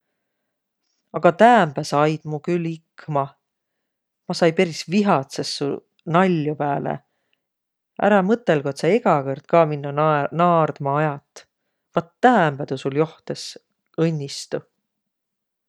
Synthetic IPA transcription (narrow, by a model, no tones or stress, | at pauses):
ɑɡ̥ɑt̪æːmb̥æsɑjd̪̥mukylikmɑ | mɑsɑjpeɾisviɦɑt̪sesːṵ | nɑlʲːjupæːlḛ | ʔæ̰ɾɑmɤt̪ːˑe̞lɡ̥ot̪sɑeɡɑkɤrd̪̥̚kɑːminːunɑːrd̪̥mɑɑjɑt̪ːˑ | vɑt̪ːæːmb̥æt̪usuljo̞ht̪es | ɤnʲːist̪u